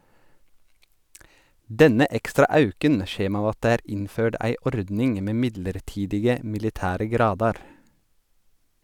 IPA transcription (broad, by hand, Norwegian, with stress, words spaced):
ˈdɛnə ˈʔɛkstɾɑ ˈʔɑʉkən ˈçeːm ˈɑːʋ ˈɑt ˈdeː ˈæːɾ ˈɪnˌføːɖ ˈæɪ ˈʔɔɾdnɪŋ ˈmeː ˈmɪdləɾˌʈiːdɪɡə mɪlɪˈtæːɾə ˈɡɾɑːdɑɾ